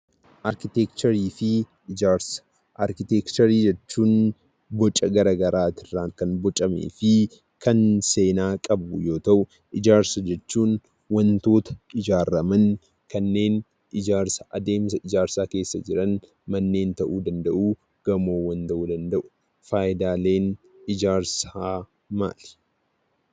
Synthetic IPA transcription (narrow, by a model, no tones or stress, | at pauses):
ʔɐɾkɪt̪ekt̪ɐɾiːfɪ | ɪd͡ʒaːɾsɐ̥ | ʔɐɾkɪt̪eːkt̪ɔɾiːd͡ʒɛt͡ʃːuːn | bɔt͡ʃʼːɐɡɐɾɐɡɐɾaːt̪ɪrːaːkɐnbɔt͡ʃʼɐmḛːfɪ | kʰɐnse̞ːnaːkʼɐbʊjo̞ːt̪ɐʔʊ | ʔɪd͡ʒaːɾsɐd͡ʒɛt͡ʃːuːn | wɐnt̪o̞ːt̪ɐ̥ɪd͡ʒaːɾɐmɐn | kɐnːe̞ːn | ʔɪd͡ʒaːɾsɐʔɐd̪e̞ːmsɐɪd͡ʒaːɾsaːke̞ːsːɐd͡ʒɪɾɐn | mɐnːe̞ːnt̪ɐʔuːd̪ɐnd̪ɐʔuː | ɡ̥ɐmo̞ːwɐnt̪ɐʔuːd̪ɐnd̪ɐʔʊ̥ | faːjɪd̪aːle̞ːn | ɪd͡ʒaːɾsaː | ma̰ːl